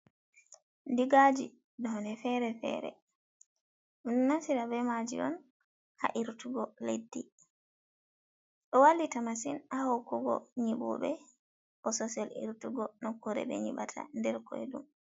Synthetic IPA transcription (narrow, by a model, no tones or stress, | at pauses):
ndiɡad͡ʒi | ɗɔnɛfɛɾɛfɛ̰ɾɛ̰ | nnasiɾabɛmad͡ʒḭɗɔn | ha̰ʔiɾtuɡɔledːi | ɗɔwalːitamasinahokuɡɔ̰ɲiɓṵɓɛ | ʔɔsɔsɛlḭɾtuɡɔnɔkoɾɛ̰ɓɛ̰ɲḭɓatʰa̰ndɛɾkɔɛ̰ɗṵm